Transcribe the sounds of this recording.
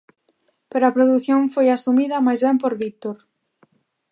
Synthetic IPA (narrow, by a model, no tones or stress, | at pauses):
peɾoapɾoðuθjoɱfojasumiðɐmajzβɛmpoɾβit̪oɾ